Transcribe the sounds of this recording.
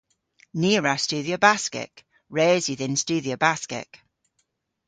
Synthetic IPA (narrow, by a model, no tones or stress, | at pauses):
niːɹast͡ʃʉːðiəbaskɪ̰ʔ | ɹeːzwɪðɪ̃nst͡ʃʉːðiəbaskɪ̰ʔ